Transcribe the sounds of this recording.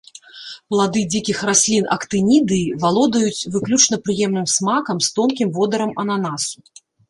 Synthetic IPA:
plˠad̪ɨd͡zʲikʲixrasʲlʲinɐkt̪ɨnʲid̪ɨːvalˠɔd̪ɐjut͡sʲvɨklʲut͡ʂnɐpɾɨjɛmnɨmsmakɐmst̪ɔmkʲimvɔd̪ɐɾɐmɐnanasu̥

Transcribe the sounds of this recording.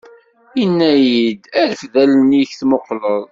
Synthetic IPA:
inːæjid̪æɾfðælniçθmoqːləðˤ

